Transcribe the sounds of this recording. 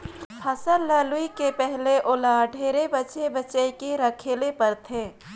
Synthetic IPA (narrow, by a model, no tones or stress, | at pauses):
ppʰɐsəɾlaːlʊikepɛɦleʔoːlaɖʱeːɾebɐt͡ʃebɐt͡ʃəikeɾɐkʰeːlepɐɾt̪ʰẽː